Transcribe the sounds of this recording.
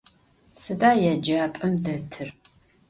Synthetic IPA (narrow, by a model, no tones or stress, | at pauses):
sɨdaːjɛd͡ʒaːpʼɐmdɐtʰɨr